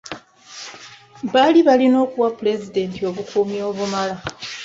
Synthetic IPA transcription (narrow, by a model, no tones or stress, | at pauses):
βaliβalino̞ːkuwapule̞zide̞ntio̞βukʰumio̞ːβumala